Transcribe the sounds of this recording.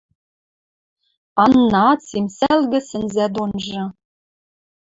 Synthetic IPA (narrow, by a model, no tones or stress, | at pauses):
ɑnːɑɑt͡simsælɣɘ̆sɘ̆nzæd̪onʒɤ̆